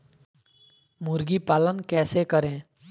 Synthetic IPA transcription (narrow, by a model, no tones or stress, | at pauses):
muɾɡipaːlənkɛːsekəɾẽː